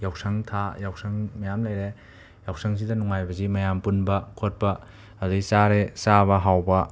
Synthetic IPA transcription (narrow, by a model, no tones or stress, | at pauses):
jawsɐŋtʰajawsɐŋmɐjamlɐjɾe | jawsʰɐŋs̬idɐnuŋajbɐzimɐjampunbɐkʰot̚pɐː | duisaɾesaβɐɦawbɐ